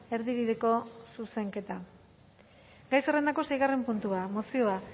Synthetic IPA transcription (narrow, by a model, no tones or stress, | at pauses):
e̞ɾðiβiðe̞ko̞suse̞ŋke̞t̪a | ɡajsere̞nd̪ako̞sejɣare̞mpunt̪uamo̞sio̞a